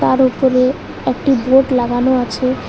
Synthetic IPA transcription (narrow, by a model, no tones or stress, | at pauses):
aɾupoɾe | ek̚ʈiboʈlaɡanoat͡ɕʰe